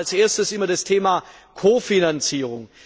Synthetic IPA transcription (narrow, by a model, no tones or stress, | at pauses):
lsʔeːɐstəsʔɪmɐdastʰeːma | kʰoːfinant͡siːʁʊŋ